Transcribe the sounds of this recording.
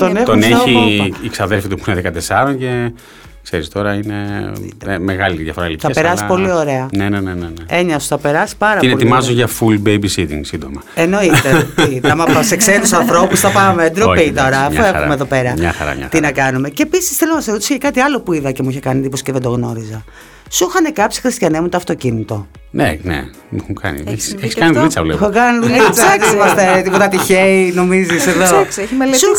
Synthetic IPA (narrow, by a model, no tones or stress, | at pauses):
t̪o̞next̪oneçiːksɐðelfit̪upu̥neðekɐt̪e̞sɐɾo̞nce̞ | kse̞ɾist̪o̞ɾɐine̞ | meɣɐliðjɐfo̞ɾɐlipθɐespɾɐsipo̞lio̞ɾe̞ɐneneneneneeɲɐsuθɐpe̞ɾɐsi̥pɐɾɐp̪ineolt̪imɐzoʝɐfulbejbisit̪ḭŋɡsind̪o̞mɐeno̞it̪eit̪ɐmɐɐseksenusɐ̃nθɾo̞pusθɐpɐmeed̪ɾopit̪o̞ɾɐːfoexṵmeðo̞pe̞ɾɐɲɐ̰xɐ̰ɾɐ̰ɲɐ̰t̪inɐkɐnume̞ceːpisi̥sθelonɐsezɾot̪i̥socekɐt̪iɐlo̞puiðɐce̞muiçekɐnit̪iposceðed̪o̞ɣno̞ɾizɐ | suxɐnekɐpsi̥xɾist̪çɐnemut̪oɐft̪o̞cinit̪o̞ | nʔḛnḛ | muukɐ̰nḭeçi̥eçisɐniðnit͡sɐ̰vlḛxokɐniðunit͡sɐt̪imɐst̪et̪ipot̪ɐt̪içeino̞miziseðosçimelsu